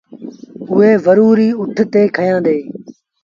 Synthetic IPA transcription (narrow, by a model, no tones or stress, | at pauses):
ʊɦeːʋəɾuːɾiːʊʈʰt̪eːkʰəjãːd̪eː